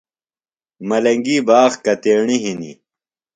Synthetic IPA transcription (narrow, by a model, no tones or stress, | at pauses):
mɐlɐŋɡiːbaːɣkɐt̪eːɳiɦinḭ